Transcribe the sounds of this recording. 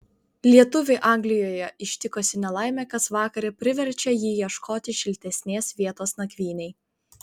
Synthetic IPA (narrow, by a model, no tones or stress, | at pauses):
lʲiɛt̪ʊʋʲeʔɑˑŋʲɡlʲɪjoːjɛɪʃʲt̪ʲɪkosʲɪnʲɛlˠɑˑɪmʲɛːkɐsʋɑːkɐɾʲɛpʲɾʲɪʋʲɛɾʲt͡ʃʲɛjiːjiɛʃkʰoːt̪ʲɪʃʲɪlʲt̪ʲɛsʲnʲeːsʋʲiɛt̪oːsnɐkʲʋʲiːnʲɛɪ